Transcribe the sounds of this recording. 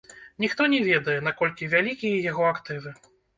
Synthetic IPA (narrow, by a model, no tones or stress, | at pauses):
nʲixt̪ɔnʲɛvʲɛd̪ɐjɛn̪akɔlʲkʲivʲalʲikʲijɛjaɣɔakt̪ɨvɨ